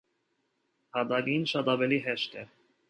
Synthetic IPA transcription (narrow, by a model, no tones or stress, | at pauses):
hɑd̪ɑɡinʃɑt̪ɑvɛliɦɛʃt̪ɛ